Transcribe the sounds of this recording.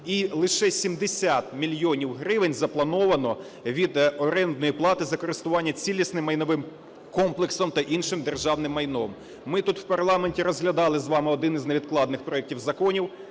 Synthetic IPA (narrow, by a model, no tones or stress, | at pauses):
ilˠɪʃɛsʲimd̪esʲat̪mʲilʲjɔnʲiwɦɾɪʋɪnʲzɐplˠɐnɔʋɐnɔ | ʋʲid̪ɔɾɛnd̪̚nɔjiplˠɑt̪ɪzɐkɔɾɪst̪ʊʋɑnʲːɐt͡sʲilʲisnɪmːɐjnɔʋɪm | kɔmplˠeksɔmt̪ɐʔinʃɪmd̪erʒɑwnɪmːɐjnɔmː | ɪt̪ut̪wpɐrlˠɑmenʲtʲiɾɔzɦlʲɐd̪ɑlˠɪzʋɑmɪɔd̪ɪnizʲneʋʲid̪̚klˠɑd̪nɪxpɾɔɛk̚tʲiwzɐkɔnʲiw